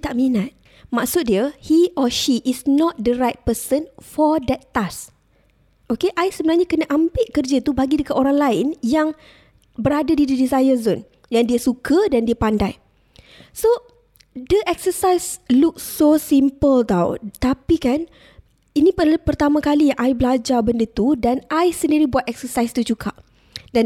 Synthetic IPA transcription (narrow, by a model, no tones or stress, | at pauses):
t̪aʔminat̪̚ | maʔksʊt̪̚diəhiʔɔʃiʔisnɔt̪̚dəɾajt̪̚pəsənfɔdɛt̪ːas | ʔokeʔaɪsəbənaɲãkənaʔambɪʔkərd͡ʒat̪ubaɡidəkat̪ʔoɾaŋlaɪnjaŋ | bəɾadadididizajəzon | jaŋdiəsukʰədandiapandaj | so | dəʔɛksəsajsluk̚ːosimpəlt̪aw̰t̪apikan | inĩpəpərt̪amãkalijaŋʔajbəlad͡ʒabəndət̪udanaɪsəndiɾibuat̪ɛk̚səsajst̪ut͡ʃukʰa̰ʔ̚ | dan